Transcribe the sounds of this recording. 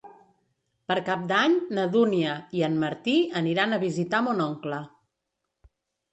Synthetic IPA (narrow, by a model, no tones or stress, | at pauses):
pəɾkap̚d̪aɲnəðuniəiənməɾt̪iəniɾanəβ̞izit̪amunɔŋklə